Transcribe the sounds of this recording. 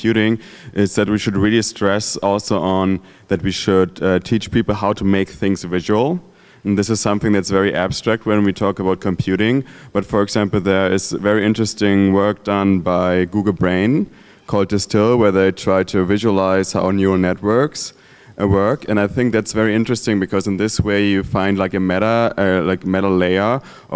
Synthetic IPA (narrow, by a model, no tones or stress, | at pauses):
jʉɾɪ̃ŋ | ʔɪzðɨt̚wiʃɨd̚ɹilˠistɹ̥ɛsɔlˠsoʊʔə̃n | ðɨt̚wiʃʊd̚tʰit͡ʃpʰipl̩ˠɦaʊtʰəmeɪk̚θɪ̃ŋzvɪʒəl̩ˠ | nðɪsɨz̥sʌ̃mθɪ̃ŋðætsvɛɹiʔæb̥stɹ̥æk̚t̚wə̃nwitʰɔkəbaʊt̚kʰɨ̃mpʰj̥ʉɾɪ̃ŋb̥ʌtfə˞ɨɡz̥æ̃mpl̩ˠðə˞ɪzsvɛɹiɪ̃ntɹ̥ɨstɪ̃ŋwɜ˞k̚d̥ʌ̃nbaɪɡuɡl̩ˠbɹẽɪ̃n | kʰɔlˠd̚ɨstʰɪlˠwɛ˞ðeɪtʰɹ̥aɪtʰɨvɪʒuəlaɪz̥ha̰ʊnjʉə˞nɛt̚wɜ˞ks | wɜ˞kɨ̃naɪθɪ̃ŋk̚ðætsvɛɹiɪ̃ntɹ̥ɨstɪ̃ŋbɨkʰʌzɨ̃nðɪsweɪjɨfãɪ̃ndˡlaɪkɨmɛɾəəlaɪkəmɛɾl̩leɪə˞